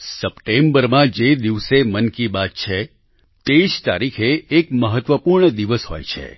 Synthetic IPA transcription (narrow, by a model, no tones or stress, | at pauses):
səpʈembəɾmãd͡ʒed̪iʋsemənkibat̪̚t͡ʃʰe | t̪eiʃt̪aɾikʰeːkməɦət̪ʋəpuɾɳəd̪iʋəsɦo̰jt͡ʃʰḛ